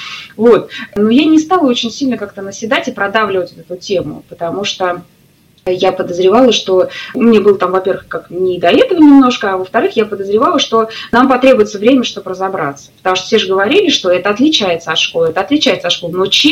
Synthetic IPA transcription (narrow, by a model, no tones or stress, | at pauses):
vo̞t̪̚nujanʲɪst̪alˠəo̞t͡ɕɪnʲsʲilʲnəkak̚t̪ənəsʲɪd̪atʲɪpɾɐd̪avlʲɪvətʲot̪ɛt̪ʊtʲemʊ̰pət̪ɐmuʂt̪o | japəd̪əzɾʲɪvɑlˠəʂt̪o̞mʲnʲebɨlˠət̪amvɐpʲe̞rvɨxkaknʲɪd̪ɐɛt̪əvənʲɪmno̞ʂkəɐvəft̪ɐɾɨxjapəd̪əzɾʲɪvalˠəʂt̪o̞nampɐt̪ɾʲe̞bʊjɪt̪səvɾʲemʲəʂt̪obɾəzabɾa̰t̪sə̥pət̪ɐmuʂt̪o̥fsʲeʐɨɡəvɐɾʲilʲɪʂt̪o̞ɛt̪əɐt̪lʲɪt͡ɕæjɪt̪səɐt̪ʂkolˠɛt̪əɐt̪lʲɪt͡ɕæɪt̪sɐʂko̞lˠnot͡ɕ